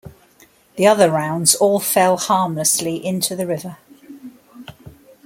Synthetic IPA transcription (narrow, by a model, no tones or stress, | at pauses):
ðiʌðəɹãʊ̃ndz̥ɔːlˠfɛlˠhɑːmləsliʔɪ̃ntʰuðəɹɪvə